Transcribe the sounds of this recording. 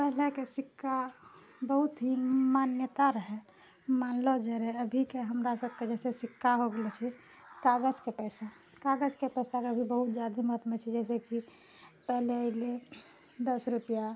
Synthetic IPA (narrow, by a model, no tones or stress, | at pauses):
pɛɦlekesɪkʰːa | bəɦut̪ɦimaːnjət̪aɾəɦɛ | maːnlɔd͡ʒɛɾɛəbʱikeɦəmɾasəb̚ʱked͡ʒɛːsesɪkʰːaɦoɡəlet͡ʃʰɛ | kaɡəd͡ʒkepɛːsa | kaːɡəd͡ʒkepɛːsakeəbʱibəɦʊt̪d͡ʒaːd̪imət̪mẽt͡ʃʰɛd͡ʒɛːs̬eki | pɛɦleəɪle | d̪əsɾupija